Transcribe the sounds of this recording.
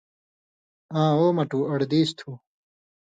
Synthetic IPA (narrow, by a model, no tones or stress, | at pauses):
ãːoːmɐʈuːɐɽd̪iːst̪ʰuː